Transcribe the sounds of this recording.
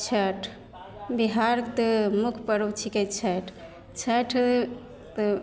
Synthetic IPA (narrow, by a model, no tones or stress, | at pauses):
t͡ʃʰəʈʰ | biɦaɾt̪əmukʰpəɾowt͡ʃʰiket͡ʃʰəʈʰ | t͡ʃʰəʈʰ | t̪